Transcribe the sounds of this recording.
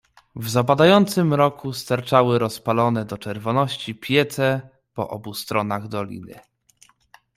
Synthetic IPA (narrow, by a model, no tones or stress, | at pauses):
vzabad̪ajɔnt̪sɘmɾɔkust̪aɾt͡ʂawɘɾɔspalɔnɛd̪ɔt͡ʂɛɾvɔnɔɕt͡ɕipʲjɛt̪sɛ | pɔ̰ʔɔ̰bust̪ɾɔnaɣd̪ɔlʲḭnɘ̰